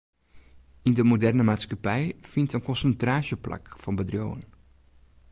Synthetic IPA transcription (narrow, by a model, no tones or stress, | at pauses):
indəmodɛrnəmaːtskapɛjfintənkɔnsəntraːsjəpla̰kfɔnbədrjo̰ːən